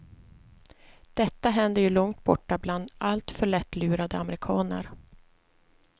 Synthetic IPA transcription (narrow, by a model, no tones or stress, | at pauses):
d̪̥ɛt̪ːaɦɛnd̪əjɵlɔŋt̪̚bɔʈːabland̪alt̪fœɭɛt̪ːlʉːɾad̪əamɛɾɪkʰɑːnə̰ɾ